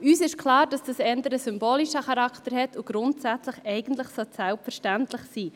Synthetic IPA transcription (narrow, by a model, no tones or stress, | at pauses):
yːsɪʃkʰlɑːɾd̥ɑsd̥ɑsɛndəɾəsʏmboːliʃəχɑɾɑktəɾhɛtʰuɡ̥ɾʊntsæt͡sləχɛɪɡ̥ən̩tləχsɔtsɛlpfɛɾʃtæntlɪχsiː